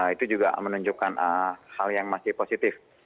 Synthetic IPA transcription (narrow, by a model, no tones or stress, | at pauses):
it̪ud͡ʒuɡa̰mənuɲd͡ʒukanʔəhaljaŋmasɪhposit̪ɪf